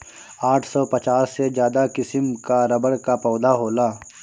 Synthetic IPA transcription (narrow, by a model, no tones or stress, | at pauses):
aːʈʰsɔːpɐt͡ʃaːsːezjaːd̪akɪsəmkaɾɐbəɽkapɔːd̪aɦoːlaː